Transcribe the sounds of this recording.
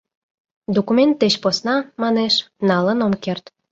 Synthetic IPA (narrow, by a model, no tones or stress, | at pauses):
d̪okument̪ːet͡ɕposnɑmɑneʃnɑlənomkert̪